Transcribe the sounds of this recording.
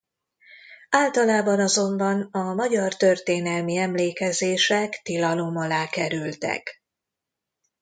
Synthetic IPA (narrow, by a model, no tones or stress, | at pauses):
aːlt̪ɒlaːbɒnɒzo̞mbɒnɒmɒɟɒrt̪ø̞rt̪eːnɛlmiɛmleːkɛzeːʃɛkt̪ilɒlo̞mɒlaːkɛɾylt̪ɛ̰k